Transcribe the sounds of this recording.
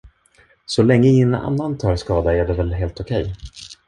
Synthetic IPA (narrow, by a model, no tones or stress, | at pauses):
sɔlɛŋːəɪna̰nːant̪ʰɑːɾskɑːd̪aæɖɛvɛlɦeːlt̪ɔkʰɛj